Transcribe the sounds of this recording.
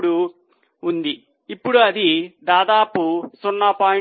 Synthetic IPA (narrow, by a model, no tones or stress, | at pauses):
ɽuː | nd̪iː | pːuɽuɐd̪id̪aːd̪aːpusunːɐpaː